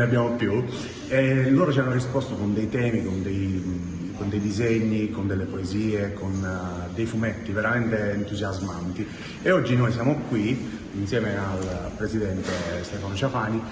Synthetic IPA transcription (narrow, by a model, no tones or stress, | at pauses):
eabːjaːmopju | elːoːɾot͡ʃɛanːorispɔst̪okond̪ejt̪ɛːmikond̪ej | kond̪ejd̪izeɲːikond̪elːepoeziːekon | d̪ejfumɛt̪ːiveɾamɛnt̪eːnt̪uzjazmant̪i | eɔd͡ʒːinojsjaːmokwi | insjɛːmealpɾezid̪ɛnt̪est̪ɛːfanot͡ʃafaːni